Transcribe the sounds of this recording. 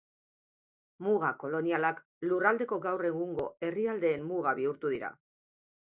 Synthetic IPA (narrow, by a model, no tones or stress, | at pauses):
muɣako̞lo̞nialak | lurald̪e̞ko̞ɡawre̞ɣuŋɡo̞e̞riald̪e̞ːmmuɣaβiuɾt̪uðiɾa̰